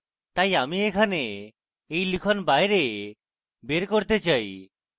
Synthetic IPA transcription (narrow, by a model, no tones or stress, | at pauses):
t̪ajamiekʰaneː | jlikʰɔnbajɾe | beɾkoɾt̪et͡ʃaj